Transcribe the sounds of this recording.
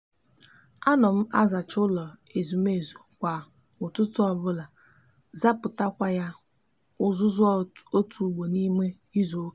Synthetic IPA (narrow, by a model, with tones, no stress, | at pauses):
a˦nɔ˨m̩˦a˦za˨t͡ʃʊ˦lɔ˨e˨zu˨m˦e˨zu˨kʷa˨ | ʊ˨tʊ˦tʊ˦ɔ˨bʊ˦la˨ | za˦pʊ˨ta˦kʷa˦ja˦ | ʊ˦zʊ˦zʊ˦o˦tʰu˨ɡ͡bo˨ni˦me˦ | i˦zo˨o˦˨